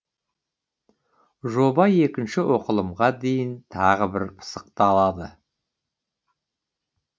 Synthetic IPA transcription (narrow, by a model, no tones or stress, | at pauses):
ʒo̞bɑje̞kʲɪnʃɪwʔo̞qəlˠəmʁɑd̪e̞jɪnt̪ʰɑʁəbɪɾpʰə̥səq̚t̪ɑlˠɑd̪ə